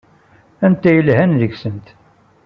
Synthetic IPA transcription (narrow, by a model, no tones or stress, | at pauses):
ænt̪ːæjəlhænðəɡsənt̪